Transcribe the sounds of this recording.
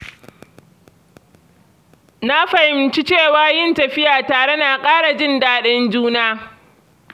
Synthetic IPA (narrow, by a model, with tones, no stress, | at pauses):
na˦ɸa˨hɪ˨mt͡ʃi˦t͡ʃeː˦˨waː˨˦jɪ˦˨ntɐ˨ɸɪ˦jaː˨taː˨ɽe˦na˨kʼaː˦ɽa˨d͡ʒɪ˦ndaː˦ɗɪ˦nd͡ʒuː˦naː˦